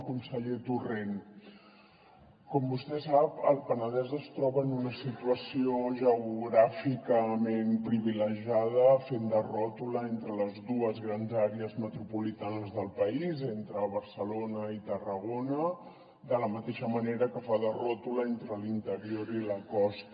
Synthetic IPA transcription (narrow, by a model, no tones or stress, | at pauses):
kunsəʎet̪uren | kɔmbust̪ɛsapəlˠpənəðɛzəst̪ɾɔβəːnunəsit̪uəsioʒəuɣɾafikəmenpɾiβiləʒað̞əfend̪ərɔt̪uləent̪ɾələzðuəzɣɾanzaɾeəzmət̪ɾupulit̪anəzðəlˠpəizent̪ɾəβ̞əɾsəlonəit̪ərəɣonə | d̪ələmət̪eʃəməneɾəkəfaðərɔt̪uləent̪ɾəlint̪əɾioɾiləkɔst̪